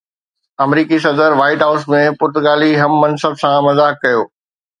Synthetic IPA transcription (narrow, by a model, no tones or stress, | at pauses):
ɐmɾiːkis̬ɐd̪əɾʋaːɪʈɦaʊsmẽpʊɾt̪ʊɡaːliɦɐmːɐnsəbsãmɐzaːkːɐjoː